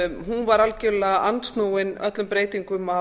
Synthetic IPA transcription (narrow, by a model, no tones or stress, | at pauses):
ɦunvaɾalcɪɾlaʔant̪st̪nuːwɪnœt̪lʏmpɾeːjt̪iŋkʏma